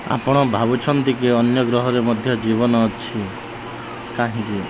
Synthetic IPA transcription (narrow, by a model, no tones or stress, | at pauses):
a̰pɔɽ̃ɔbʱabut͡ʃʰɔnt̪ikiɔnjɔɡɾɔɦɔɾemɔd̪ʱjɔd͡ʒibɔnɔt͡ʃʰi | kaɦĩki